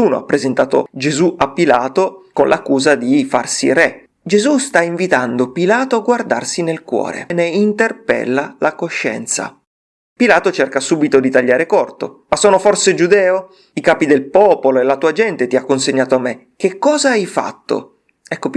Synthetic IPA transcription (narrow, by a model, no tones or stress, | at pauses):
uːno̰a̰pːɾezent̪aːt̪o̰d͡ʒezuʔapːilaːt̪okonlʔakːuːzad̪ifa̰rsḭrɛ | d͡ʒezust̪aiɱvit̪and̪opilaːt̪oaɡward̪a̰rsinelkwɔ̰ːɾḛneint̪erpɛ̰lːalakoʃːɛ̰nt̪sa̰ | pilaːt̪ot͡ʃerkasuːbit̪od̪it̪aʎːaːɾekɔrt̪o̰masːoːnoforsed͡ʒud̪ɛːo | ikaːpid̪elpɔːpoloelat̪uːad͡ʒɛnt̪et̪iakːonseɲːaːt̪oamːe | k̟ekːɔːzaajfa̰t̪ːo̰ | ɛkːop